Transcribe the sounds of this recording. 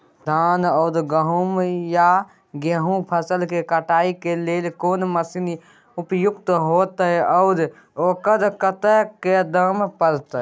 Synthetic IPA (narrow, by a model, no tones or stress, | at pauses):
d̪ʱaːnəʊd̪ɡəɦumja | ɡeɦũpʰəsəlkekəʈaːikeleːlkoːnməsini | upjʊkt̪ɦoːt̪əɛəʊd̪ | oːkəɾkət̪əked̪əmpəɾt̪ə